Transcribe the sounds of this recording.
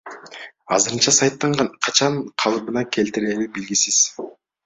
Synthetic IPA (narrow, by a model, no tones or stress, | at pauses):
ɑ̰zɯɾɯnt͡ʃɑsɑjt̪ːɑɴɑnqʰɑt͡ʃɑɴqʰɑlˠɯbɯnɑkʲʰe̞lt̪iɾelybilɡisiz̥